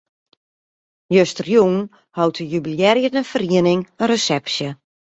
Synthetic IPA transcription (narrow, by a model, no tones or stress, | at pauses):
jøstərjun | hɔwtʰəjybiljɛɾjədənfəriənɪŋəɾəsɛpsjə